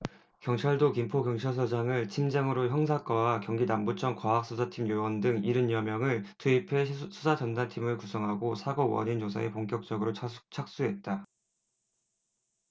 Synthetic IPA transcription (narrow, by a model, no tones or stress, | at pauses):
kjʌŋt͡ɕʰaɭdokimpʰokjʌŋt͡ɕʰaɭs̬ʰʌd͡ʑaŋɯɭt͡ɕʰimd͡ʑaŋɯɾoçjʌŋs̬ʰak͈ʌwakjʌŋɡinambut͡ɕʰʌŋkwaɦak̚s͈ʰusʰatʰimjowʌndɯŋiɾɯɲjʌmjʌŋɯɭtʰuipʰe̞sʰusʰad͡ʑʌndantʰimɯɭkusʰʌŋɦaɡosʰaɡʌwʌ̰ɲint͡ɕosʰa̰epoŋkjʌk̚t͡ɕ͈ʌɡɯɾot͡ɕʰak̚s͈uɦe̞t̚t͈a